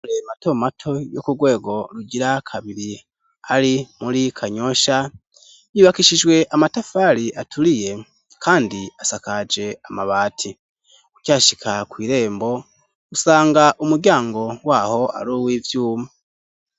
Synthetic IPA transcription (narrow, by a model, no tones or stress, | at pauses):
lemato̞matʰo̞jo̰kuɾɡwe̞ːɡo̞ɾuɟiɾakʰaβiɾi | aɾimuɾikʰaɲo̞ʃa | jiβakiʃid͡ʒwe̞ʔamatafaɾiʔatʰuɾije̞ | kʰaːndiasakad͡ʒe̞amaβaːtʰi | ucaːʃikʰakwiːɾe̞ːmbo̞ | usaːŋɡaʔumuɾɟjaːŋɡo̞waːho̞a̰ɾuwivjuːma